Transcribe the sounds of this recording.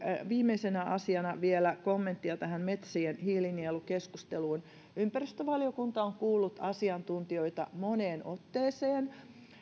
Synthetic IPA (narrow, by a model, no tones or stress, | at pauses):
ʋiːmeisenæʔɑsiɑnɑʋielækomːent̪ːiɑt̪æhæmmet̪sienhiːlinielːukeskust̪eluːn | ympærist̪øʋɑljokunt̪ɑoŋkuːlːut̪ɑsiɑnt̪unt̪ioit̪ɑ̰moneːnot̪ːeːseːn